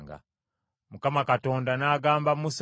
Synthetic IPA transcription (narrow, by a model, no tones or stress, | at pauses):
ŋɡa̰ | mukamakato̞ːndanaːɡaːmbamus